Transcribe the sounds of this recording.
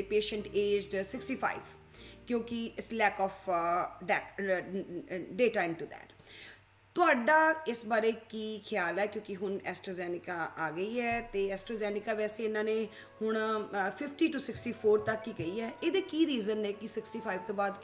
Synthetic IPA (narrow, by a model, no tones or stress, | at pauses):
peːʃəɳʈeːd͡ʒɖsɪksʈiːpʰa̰ːḭːʋ | kjõːkɪɪslɛːkɔːfʰɖɛːk | ɖeːʈaːɪmʈud̪ɛ̰ːʈ | t̪ʊaːɖaːɪsbaːɾeːkiːkʰɪjaːlɛːkjõːkɪɦʊnɛ̰ːsʈɾoːzɛːnɪkaʔaːɡəiːɛːt̪eːɛːsʈɾoːzɛːnɪkaːʋɛːseːɪnãːneː | hʊɳ̃pʰɪpʰʈiːʈusɪksʈiːpʰoːɾt̪əkːiːkəiːɛːʔeːd̪eːkiːɾiːzənɛːkɪsɪksʈiːpʰaːiʋt̪õːbaːd̪